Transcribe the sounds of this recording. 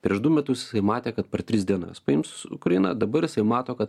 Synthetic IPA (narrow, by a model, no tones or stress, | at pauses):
pʲɾʲiɛʃd̪ʊmʲɛt̪ʊsjɪ̥sɐɪmɑːt̪ʲeːkɐt̪̚pʲɛrt̪ʲɾʲɪsd̪ʲiɛnɐ̰spɐɪmsʊʊkɾɐɪnɐ̰d̪ɐbɐɾjɪsɐɪmɑːt̪oːkɐt̪